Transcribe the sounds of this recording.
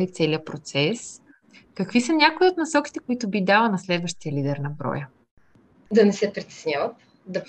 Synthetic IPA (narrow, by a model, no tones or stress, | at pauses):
it̪sɛliəpɾot̪sɛs | kəkvisɐnʲakoiot̪nɐsɔk̟ʲi̥t̪ɛkoit̪ʊbid̪alˠənɐslɛd̪vəʃt̪iəlid̪ɛɾnɐbɾɔ̰jə | d̪ɐnɛsɛpɾit̪ɛ̥snʲavət̪ | d̪ɐ